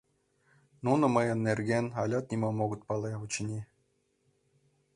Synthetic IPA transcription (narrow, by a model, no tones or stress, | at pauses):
nunɤ̆mɤ̆jɤ̆nːerʲɡʲenʲɑlʲɑt̪̚nʲimomoɡɤ̆t̪̚pɑlˠeut͡ɕɘnʲi